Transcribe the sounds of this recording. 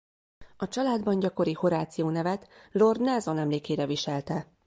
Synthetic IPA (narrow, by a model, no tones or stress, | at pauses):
ɒt͡ʃɒlaːd̪bɒɲɟɒko̞ɾiho̞ɾaːt̪sijoːnɛvɛt̪lo̞rd̪nɛzo̞nɛmleːkeːɾɛviʃɛlt̪ɛ